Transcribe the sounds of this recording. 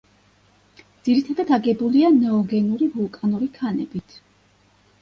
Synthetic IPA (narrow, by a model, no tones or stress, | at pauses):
d̪z̥iɾit̪ʰad̪ad̪aɡɛbulianɛɔɡɛnuɾivulˠkʼanuɾikʰanɛbit̪ʰ